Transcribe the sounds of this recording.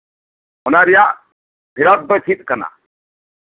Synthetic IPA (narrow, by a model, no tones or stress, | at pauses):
ɔnaɾija | bʱiɾɔt̪̚bɔt͡ʃʰit̪̚kɐna̰